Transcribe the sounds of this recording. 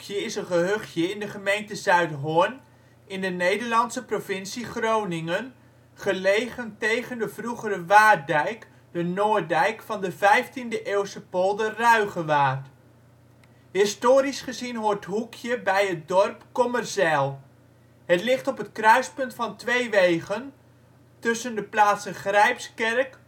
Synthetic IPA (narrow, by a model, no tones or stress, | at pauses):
kjəɪsənχəɦøχjəɪndəχəmejntəzœɥtɦʊn | ɪndənejdəɹlɑnsəprovɪnsiχrownɪŋən | χəlejχəntejχəndəvruχərəʋaːdɛjk | dənoːɹdɛjkfɑndəvɛjftindəʔeːwsəpɔlˠdərœɥχəʋaːrt | ɦɪstoːɾisχəzinɦoːɹtɦukʰjəbɛjɦət̚dɔrpkɔmərsɛlˠ | ɦətlɪχtɔpətkrœɥspɵntfɑntʋejʋejχən | tɵsəndəplaːtsənχrɛjpskɛrk